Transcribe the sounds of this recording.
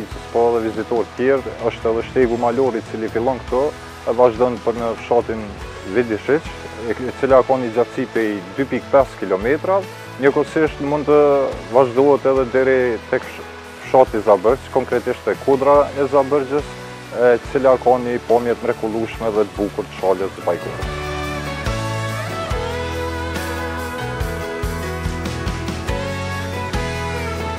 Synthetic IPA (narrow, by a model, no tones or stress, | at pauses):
it͡səspɔɛðɛvizit̪ɔɾt̪t̪jɛɾəʃt̪ɛðɛʃt̪ɛɡumalɔɾit͡silifilˠɔnkə̥t̪ɔ | ɛvaʒd̪ɔnpəɾnəfʃɑt̪in | vid̪iʃit͡ʃ | ɛt͡silakɑnid͡ʒafsipɛjd̪ypik̚pɛskilɔmɛt̪ɾa | ɲəkɔsiʃt̪mund̪t̪əvaʒd̪ɔɦɛt̪ɛðɛd̪ɛɾit̪ɛk | fʃat̪izabəɾd͡ʒskɔŋkɾɛt̪iʃt̪ɛkud̪ɾaɛzabəɾd͡ʒəs | ɛt̪ət͡silakanəpamjɛt̪mɾɛkulˠuʃmɛðɛt̪əbukuɾt̪ə̥ʃaləsbajkṵɾ̰